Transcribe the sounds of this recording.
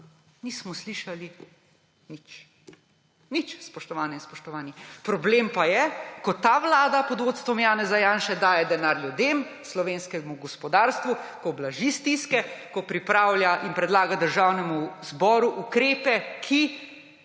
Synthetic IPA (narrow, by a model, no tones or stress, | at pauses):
niːsmɔsliːʃali | nit͡ʃ | nit͡ʃspɔʃt̪ɔʋaːnɛinspɔʃt̪ɔʋaːnipɾɔblempajɛkɔt̪aʋlaːd̪apɔd̪ʋoːt̪st̪ʋɔmjaːnɛzajaːnʃɛd̪aːjɛd̪ɛnaːɾljud̪em | slɔʋeːnskɛmuɡɔspɔd̪aːɾst̪ʋukɔblaʒist̪iskɛkɔpɾipɾaːwljaʔinpɾɛd̪laːɡad̪əɾʒawnɛmuzbɔːɾuʔukɾeːpɛkʰi